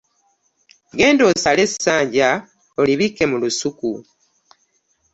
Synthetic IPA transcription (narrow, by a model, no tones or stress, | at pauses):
ɡe̞ːndo̞ːsale̞sːaːɲɟa | oliβike̞mulusuku